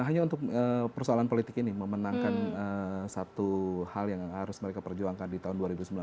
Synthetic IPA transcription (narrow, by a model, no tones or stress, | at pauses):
ɦaɲaunt̪ʊk̚əpərsoalanpolit̪ɪkiniməmənaŋkanəsat̪uhaljaŋhaɾʊsməɾekapərd͡ʒuaŋkandit̪aɦʊnduaɾibusəmbila